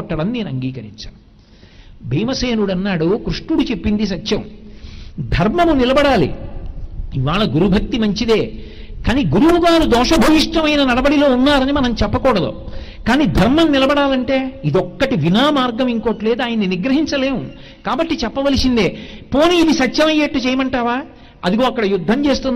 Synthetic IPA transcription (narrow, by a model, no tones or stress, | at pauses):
ɔʈːɐɽɐnne̞ːnuɐŋɡiːkɐɾḭɲt͡ʃa̰ː | bʱiːmɐseːnuɽɐnːaːɽukɾuʂʈuɽut͡ʃe̞pːind̪is̬ɐt̪ːjɐm | d̪ʱɐɾmɐmunilɐbɐɽaːlḭ | iʋaːɭɐɡuɾubʱɐk̚t̪imɐɲt͡ʃid̪e̞ːkaːniːɡuɾuuɡaːɾud̪ɔːʂɐbʱɐʋiʂʈɐmɐjnɐnɐɽɐbɐɽilo̞ːunːaːɾɐnimɐnɐmt͡ʃɛpːɐkuːɽɐd̪ṵ | kaːniːd̪ʱɐɾmɐmnːilɐbɐɽaːlɐɳʈe̞ːid̪ɔkːɐʈiʋinaːmaːɾɡɐmiŋko̞ːʈle̞ːd̪uaːjɐnːiniɡɾɐɦiɲt͡ʃɐle̞ːmu | kaːbɐʈːit͡ʃɛpːɐʋɐlisind̪eːpo̞ːniːd̪isɐtːʃɐmɐjːeːʈːut͡ʃɛːjɐmɐɳʈaːʋaː | ɐd̪iɡo̞ːɐkːɐɽɐjud̪ʱːɐmt͡ʃe̞ːst̪un